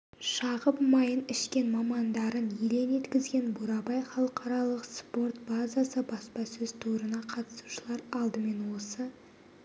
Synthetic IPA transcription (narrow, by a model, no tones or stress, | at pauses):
ʃɑʁəpmɑjənɪʃkʲe̞nmɑmɑnd̪ɑɾənjele̞ne̞t̪kʲɪzɡʲe̞nbuɾɑbɑjχɑlˠəqʰɑɾɑlˠəqspo̞rt̪bazasəbɑspɑsɵzt̪ʰuɾənɑqʰɑt̪ə̥su̥ʃəlˠɑɾɑlˠd̪əme̞nwo̞sə